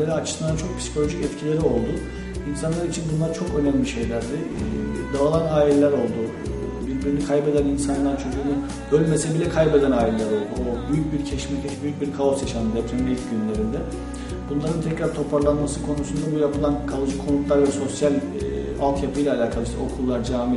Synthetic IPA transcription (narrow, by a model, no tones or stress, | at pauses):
eɾiat͡ʃʰɯ̥sɯnd̪at͡ʃʰo̞k̚pʰi̥si̥cʰo̞lʲo̞ʒicɛt̪cʰilʲe̞ɾio̞lˠd̪u | insanlˠaɾit͡ʃʰinbunlˠaɾt͡ʃʰo̞kø̞nɛmʲmʲiʃe̞jlʲæɾd̪ɪd̪aalˠanaːilʲelʲæɾo̞lˠd̪u | biɾbiɾlnʲykʰajpe̞d̪æninsanlˠaɾt͡ʃʰø̞zuːnu | bølʲme̞sɛbilʲɛkʰajpe̞d̪ænaːilʲelʲæɾo̞lˠd̪uobyjyc̚biɾcʰɛʃmɛcɛt͡ʃbyjycbiɾkʰao̞sjaʃand̪d̪ɛpt̪ʰɛnbilʲcɟynlʲe̞ɾind̪ɛ | bunlˠaɾɯnt̪ʰɛcɾaɾt̪ʰo̞pʰaɾlˠanmasɯkʰo̞nusund̪abujapʰɯlˠankʰalˠɯd͡ʒɯkʰo̞nut̪lˠaɾvɛso̞sjal̰ʲ | alˠk̪ʰjapʰɯjlʲɛaːlʲaːkʰalˠɯʃt̪ʰɛ̰o̞kʰulˠːaɾd͡ʒaːmi